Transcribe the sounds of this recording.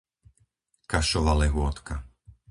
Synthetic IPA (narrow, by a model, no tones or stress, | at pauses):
kaʃɔʋalɛɦʊɔt̪ka